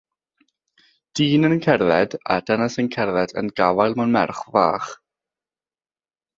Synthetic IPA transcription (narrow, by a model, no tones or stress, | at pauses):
d̥iːnənkʰɛrðɛda̰d̥ɛnasənkʰɛrðɛdə̰nɡavajlˠmɔnmɛ̰rχvaːχ